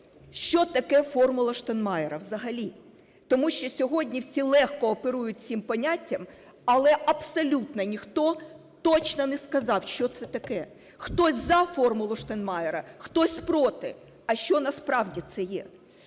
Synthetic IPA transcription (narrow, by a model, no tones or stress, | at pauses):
ʃt͡ʃɔt̪ɐkɛfɔrmʊlˠɐʃt̪ɐnmɑjɛɾɐwzɐɦɐlʲi | t̪ɔmuʃt͡ʃɔsʲɔɦɔdʲnʲiwsʲilˠɛxkɔːpeɾujʊt̚ʲt͡sʲimpɐnʲatʲːɐm | ɐlˠɛʔɐbsɐlʲut̪nɐnʲixt̪ɔ | t̪ɔt͡ʃnɔnɛskɐzɑwʃt͡ʃɔt̪sɛt̪ɐkɛ | xt̪ɔsʲzɐfɔrmʊlˠʊʃt̪ɐnmɑjɛɾɐxt̪ɔsʲpɾɔt̪ɪ̰ | ɐʃt͡ʃɔnɐspɾɑwdʲit̪sɛjɛ̰